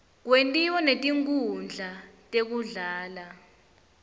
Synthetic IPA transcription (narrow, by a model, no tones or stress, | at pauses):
k̬wentʼiwɔnetʼiŋk̬ʼund͡ɮʱatʼek̬uɮaːla